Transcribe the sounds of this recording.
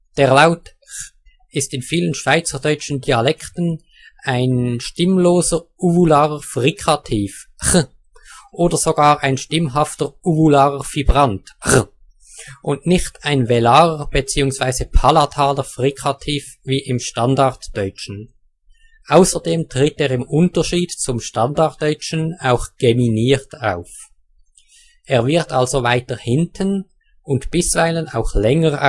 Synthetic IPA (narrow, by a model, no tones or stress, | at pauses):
d̥eːʁlaʊt | ɪstɪnfiːlənʃv̥aɪt͡səʁdɔʏt͡ʃən̩diːalɛktən̩ | aɪnʃtɪmloːzəʁuvulaːʁəfʁikʰatʰiːfχ | ʔoːdəz̥oɡaːʁʔaɪnʃtɪmɦaftəʁuvulaːʁəv̥ibʁantχ | ʔʊntnɪçtaɪnvɛlaːʁəb̥et͡siːʊŋsv̥aɪzəpʰalatʰaːləfʁikʰχatʰiːf | viːʔɪmʃtandaʁtd̥ɔʏt͡ʃn̩ | ʔaʊsəʁdeːmtʁ̥ɪteːʁɪmʊntəʃiːdt͡sʊmʃtandaʁt̚d̥œʏt͡ʃən̩aʊxɡ̥eminiːʁta̰ʊf | ʔeːɐvɪʁtalzovaɪtəhɪntʰən | ʊntb̥ɪsv̥aɪləna̰ʊxlɛŋəʁa̰